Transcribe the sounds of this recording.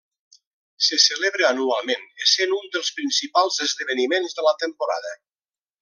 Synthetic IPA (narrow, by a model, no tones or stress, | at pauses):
səsəleβɾəanualˠmenesenund̪əlˠspɾinsipalˠzəzðəβənimenzðələt̪əmpuɾa̰ðə